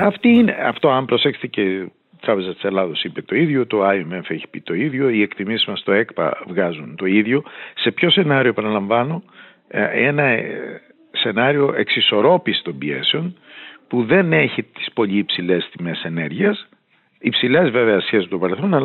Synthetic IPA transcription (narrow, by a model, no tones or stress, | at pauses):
ɐft̪iinḛɐ̰ft̪o̞ɐmbɾo̞se̞kse̥t̪ece | t̪ɾɐpe̞zɐst̪i̥se̞lɐðo̞sipet̪o̞iðʝo̞t̪o̞ɐjemefeçi̥pit̪o̞iðʝo̞ie̞kt̪imisizmɐst̪o̞e̞kpɐ̰vɣɐzunt̪o̞iðʝo̞se̞pço̞se̞nɐɾio̞epɐnɐlɐɱvɐno̞ | enɐ | se̞nɐɾio̞ʔe̞ksiso̞ɾo̞pisi̥t̪o̞mbie̞̰seo̞npuðe̞neçit̪i̥spo̞ʎiːpsile̞st̪ime̞se̞ne̞ɾʝiɐs | ipsile̞zveveɐsçesit̪o̞pɐɾe̞lθo̞nɐl